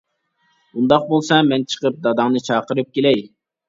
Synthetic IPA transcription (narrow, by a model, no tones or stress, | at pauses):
und̪ɑq̚bolˠsɑmɛnt͡ʃʰə̥qəp̚d̪ɑd̪ɑŋnɨt͡ʃʰɑːqəɾɨp̚kʲelɛj